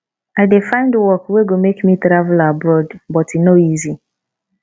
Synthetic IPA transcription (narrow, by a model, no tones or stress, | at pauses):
aɪdefãɪ̃ndəwɔkweɡomekmitɾavlabɹɔdbɔtinoizi